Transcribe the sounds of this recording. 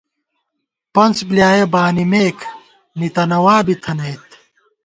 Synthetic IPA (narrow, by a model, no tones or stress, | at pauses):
pɐnsbljaːjebaːnimeːkʰ | nit̪ɐnɐwaːbit̪ʰɐnɐjt̪